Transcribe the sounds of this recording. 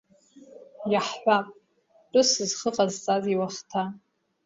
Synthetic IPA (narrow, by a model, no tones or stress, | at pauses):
jaħħʷapʼ | tʼɨsɨzχəqʼazt͡sʼaziwaχtʰa